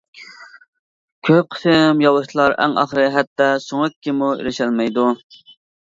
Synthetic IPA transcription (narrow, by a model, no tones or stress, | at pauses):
kʲʰøp̚qʰə̥sɨmjɑlˠːɨʃt̪ʰlˠɑɾɛ̰ŋɑ̰χɾɨɦɛt̪ːɑsoŋɨkʲːimuḛɾɪʃɛlmɛjd̪u